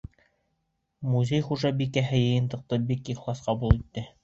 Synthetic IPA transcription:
muzʲejχuʒɑbikæɦɘjɤ̆jɤ̆nt̪ɤ̆q̚t̪ɤbikiχlˠɑsqɑbulˠit̪ːɘ

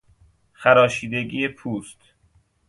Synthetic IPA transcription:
xæɾɒːʃiːd̪eɡiːepʰuːst̪

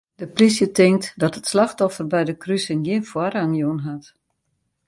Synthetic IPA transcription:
d̥əprisjətɪŋk̚tdɔtətslaxtɔfərbɛjdəkrysənɡiənfwaraŋjoənɦat

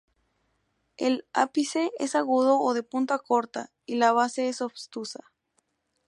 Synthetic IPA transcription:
elapiseʔesaɣuðo̞ːðe̞punt̪ako̞ɾt̪a | ilaβase̞esoβst̪usa

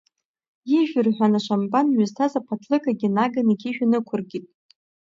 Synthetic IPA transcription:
iʒᶣʏrħʷᶣanaʃʷambanɥʏztʰazapʰatʰlɨkʰʼaɡʲinaɡaniɡʲʰiʒᶣanɨkʷʰʊrɡʲitʼ

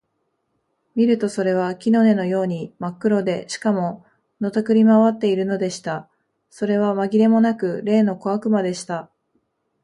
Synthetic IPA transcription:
mʲiɾɯ̟t̪o̞so̞ɾe̞β̞akʲino̞ne̞no̞jo̞ːɲ̟imakːɯ̟ɾo̞d̪e̞ɕi̥kamo̞ | no̞t̪akɯ̟ɾʲimaβat̪ːe̞iɾɯ̟no̞d̪e̞ɕi̥t̪a | so̞ɾe̞β̞amaɡʲiɾe̞mo̞nakɯ̟ɾe̞ːno̞ko̞akɯ̟mad̪e̞ɕi̥t̪a

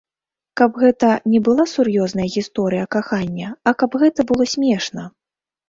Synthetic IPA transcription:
kɐbɣɛt̪ɐnʲɛbɨlˠasurjɔznɐjɐɣʲist̪ɔɾɨjɐkaxanʲːɐɐkabɣɛt̪ɐbɨlˠɔsʲmʲɛʂnɐ

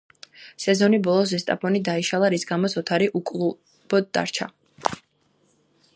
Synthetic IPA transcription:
sɛzɔnibɔlˠɔs̬ɛst̪ʼa̰pʰɔnid̪aiʃalˠaɾisɡamɔsɔt̪ʰaɾiʔukʼlˠu | b̥ɔd̪d̪a̰ɾt͡ʃʰa̰

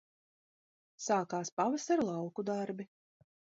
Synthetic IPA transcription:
saːkaːspavasaɾlˠɑwkud̪aɾbi

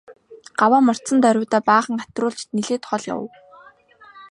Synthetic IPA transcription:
ɢ̥awaːmɔr̥t̪t͡sə̆nt̪œɾʲʊːt̪aːpaːχə̆ŋat̪rʊːɮt͡ɕt̪niɮeːt̪χɔɮja̰w̰̆w

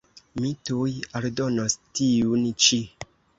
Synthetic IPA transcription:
mitujaɾdonostiunt͡ʃi

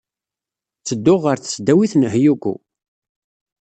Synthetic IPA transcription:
t͡sːəd̪ːʊʁːəɾθə̥sd̪æwiθnɦjukʷṵ

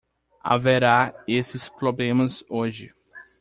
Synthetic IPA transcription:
a̰veɾaesɪspɾoblẽmɐzoʒɪ

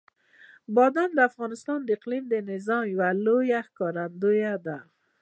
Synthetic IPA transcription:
bɔd̪and̪afɣɑnɪst̪ɑnd̪ɪqlimd̪enɪzɑmwalojahkɔɾand̪ojad̪a

